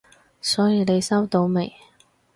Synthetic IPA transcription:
sɔː˨˥jiː˧ne˨˧jsɐ˥wt̪o˨˥wmḛ˨˩j

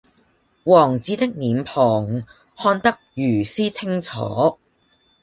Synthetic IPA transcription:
wɔː˨˩ŋt͡siː˨˥t̪ɪ˥k̚niː˨˥mpʰɔː˨˩ŋ | hɔː˧nt̪ɐ˥k̚jyː˨˩siː˥t͡sʰɪ˥ŋt͡sʰɔ̰ː˨˦

